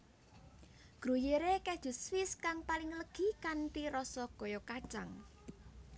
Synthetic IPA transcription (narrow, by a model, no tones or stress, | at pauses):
ɡ̥ɾujeɾekɛd̥ʒ̥ṳsfɪskaŋpalɪŋləɡ̥i̤kanʈiɾɔsɔɡ̥ɔ̤jɔkad̥ʒ̥aŋ